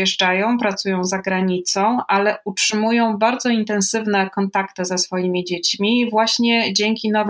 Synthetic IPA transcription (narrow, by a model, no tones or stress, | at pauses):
ɛʐd͡ʐajɔ̃w̃pɾat̪sujɔ̃w̃zaɡɾaɲit̪sɔ̃w̃ʔalɛʔutʂɘmujɔ̃w̃baɾd̪zɔint̪ɛnsɘvnɛkɔnt̪akt̪ɘzɛsfɔjimʲid͡ʑet͡ɕmʲivwaɕɲɛd͡ʑɛŋkʲinɔv